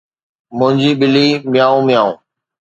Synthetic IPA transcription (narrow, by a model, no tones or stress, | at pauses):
mʊ̃ɦɪ̃ɲd͡ʑiːɓɪliːmɪjaːũːmɪjaːṵ̃ː